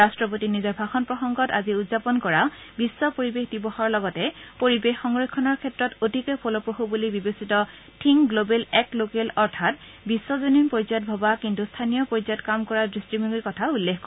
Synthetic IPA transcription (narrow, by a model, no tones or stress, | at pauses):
ɹastɹɔp̬otinizɔɹbʱaxɔnpɹɔxɔŋɡɔta̰ziudzapɔnkɔɹabisːɔpoɹibexdibɔxɔɹlɔɡɔtɛpoɹibexːɔŋɹokʰːɔnɔɹkʰɛtɹɔtotikɔjpʰɔlɔpɹoɦubulibibesitɔ | tʰiŋɡlobelɛklokelɔɹtʰat | bisːɔzoninpɔɹzɔt̚bʱɔbakintustʰanijɔpɔɹizɔtkamkɔɹadɹistimiŋiɹkɔtʰaulːexkːɔ